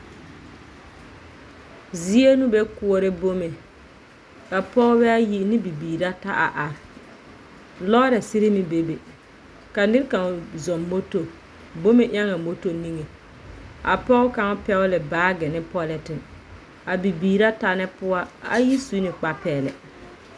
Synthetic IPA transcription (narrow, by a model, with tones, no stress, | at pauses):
zi˦e˦nu˦bɛ˦kʊ˦ɔ˨ɾɪ˦bo˦me˨ | ka˨pɔ˦ɣbɛ˦a˦ji˦nɪ˦bi˨biː˨ɾa˦ta˦ʔa˨ʔa˨ɾ | lɔ˦ɾɛ˨sɪ˦ɾɪ˦mɪ˨be˦be˨ | ka˨nɪ˦ɾka˨ŋ˨zɔ˨mːo˦to˨ | bo˦me˨ʔa˦ŋa˨mo˦to˦ni˦ŋe˨ | a̰˨pɔ˦ɣka˦ŋ˦pɛ˦ʊ˦lɪ˨baː˦ɡɪ˨nɪ˦pɔ˦lɪ˨tɪ˨n | a˨bi˨biː˨ɾa˦ta˦nɪ˦pʊ˦a˦a˨ji˦su˦nɪ˨k͡pa˨pɛː˨lɛ̰˨